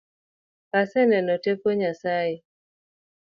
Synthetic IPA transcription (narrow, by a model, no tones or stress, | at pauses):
kasɛnɛnɔtekoɲasae